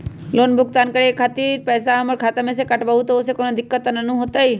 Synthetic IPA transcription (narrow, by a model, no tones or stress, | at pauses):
lonbʱʊɡ̚t̪ankəɽekʰat̪iɾpɛjsaəməɾkʰat̪amẽsekəʈbaɦut̪oosekonod̪ɪkːət̪nənũɦot̪əj